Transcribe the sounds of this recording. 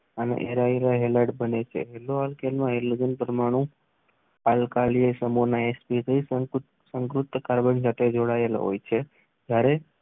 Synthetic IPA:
ənḛʔeɾaiɾaɦeləɖbənet͡ʃʰḛɦɛloɦalkenmãɦelod͡ʒənpɾəmaɽ̃ũ | alkaliesəmonaespit̪ʰəis | səŋkɾut̪ːəkaɾbənd͡ʒat̪ʰed͡ʒoɽael̰ɦo̰jt͡ʃʰe | d͡ʒjaɾe

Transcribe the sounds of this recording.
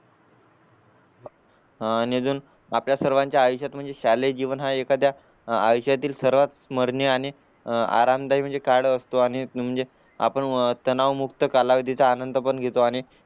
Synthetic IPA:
ned͡zuːn | apljasəɾʋãɲt͡ɕjaːjɕjat̪m̤əɳd͡zeɕaled͡ʑiʋənɦaekad̪jaː | jɕjat̪iːlsəɾʋat̪sməɾɳjeaɽ̃i | a̰ɾamd̪aɦim̤əɳd͡zekaɽəst̪oaɽ̃im̤əɳd͡ze | a̰pəɳt̪ənaʋmukt̪əkalaʋid̪ʱit͡saːnənd̪pəɳɡʱet̪oaɽ̃i

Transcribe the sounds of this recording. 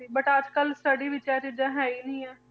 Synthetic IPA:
ibəʈaːd͡ʒkəlsəɽiʋɪt͡ʃaːɾt͡ʃɪd͡ʒãɦɛːinəĩːɛː

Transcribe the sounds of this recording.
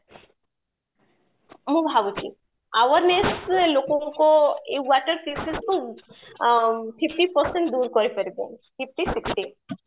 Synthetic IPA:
mũbʱabut͡ʃʰḭ | aʋəɾneslokɔ̃koewaʈəɾpʰesesko | pʰipʈipɔɾsẽɳʈ̚d̪uɾkɔɾipəɾibḛpʰip̚ʰʈisiksʈi

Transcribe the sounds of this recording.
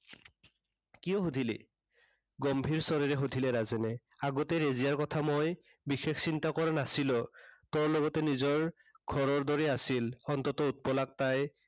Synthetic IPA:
kijɔɦudʱilɛ̰ | ɡɔmbʱiɹsɔɹiɹɛɦudʱilɛɹazɛnɛ | aɡɔtɛɹeziaɹkɔtʰamoj | bixeksintakɔɹanasilɔtɔɹlɔɡɔtɛnizɔɹ | ɡʱɔɹɔɹdɔɹiasilɔntɔtɔut̚pɔlak̚taj

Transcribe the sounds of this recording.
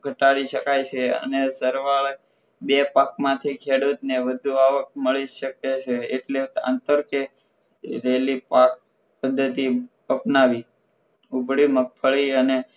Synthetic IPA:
ɡʱəʈaɽiʃəkajt͡ʃʰeə̰nesəɾʋaɭ | bepak̚mãt̪ʰikʰeɽut̪neʋəd̪ʱuaʋək̚məɭiʃəket͡ʃʰeeʈleã̰nt̪əɾke | ɾelipak̚ | pəd̪ʱːət̪i | əpnaʋi | ubʱɭimək̚fʰəɭiəne

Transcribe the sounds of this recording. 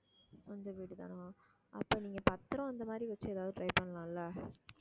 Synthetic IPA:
sɔnd̪ɐʋiːʈɯt̪a̰ːnõ | ʔɐpːoːniːŋɡɐpɐt̪ːɾõɐnd̪ɐmaːd̪ɾiʋɐt͡ʃːɯɛðaːʋðɯʈɾɐjpɐɳːlãːlːɐː

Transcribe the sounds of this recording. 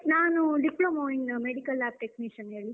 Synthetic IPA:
naːnuɖiploːmoːiɳɖmeɽikɐlaːp̚ʈekmiʂɐneːɭi

